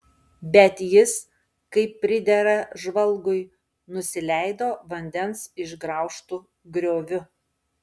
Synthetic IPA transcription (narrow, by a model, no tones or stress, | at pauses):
bʲɛt̪jɪs | kɐɪpʲːɾʲɪd̪ʲɛɾɐʒʋɐlˠɡʊɪ | nʊsʲɪlʲæɪd̪oːʋɐnʲd̪ʲɛnsɪʒɡɾɐˑʊʃt̪uː | ɡɾʲoːʋʲʊ